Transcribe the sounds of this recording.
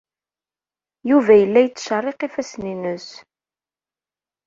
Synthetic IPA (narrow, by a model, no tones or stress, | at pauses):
juvæjəlːæjət͡sːʃərˤːeqifæsninəs